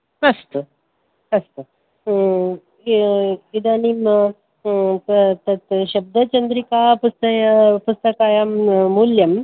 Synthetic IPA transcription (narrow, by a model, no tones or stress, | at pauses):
ɐst̪u | ɐst̪u | ɡid̪aːniːm | t̪t̪ɐt̪ɕɐb̚d̪ɐt͡ʃɐnd̪ɾikaːpust̪ɐjɐpust̪ɐkaːjamːuljɐm